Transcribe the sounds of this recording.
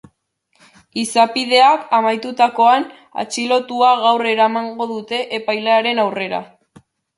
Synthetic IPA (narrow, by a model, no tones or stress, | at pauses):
isapið̞e̞akamajt̪ut̪ako̞an | a̰t͡ʃilo̞t̪uaɣawre̞ɾamaŋɡo̞ðut̪e̞ʔepajleaɾe̞nawre̞ɾa̰